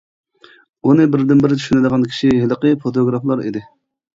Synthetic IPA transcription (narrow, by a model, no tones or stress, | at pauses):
unɨbɪɾd̪ɪnbɪɾɪt̪ʰy̥ʃynɪd̪əʁɑnkʲʰi̥ʃiɦeləqəfot̪ʰoɡɾɑflˠɑɾḭd̪ɪ